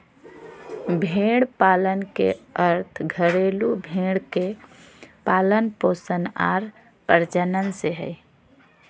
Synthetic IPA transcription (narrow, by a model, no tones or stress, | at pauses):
bʱeɽpalənkḛəɾt̪ʰɡʱəɾelubʱeɽke | paːlənposəna̰ɾ | pəɾd͡ʒənənseɦə̰